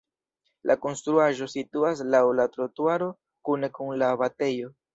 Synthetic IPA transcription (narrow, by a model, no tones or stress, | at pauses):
lʔako̞nstɾuaʒo̞situas̬lawlatɾo̞tuaɾo̞ | kune̞kunlabate̞jo̞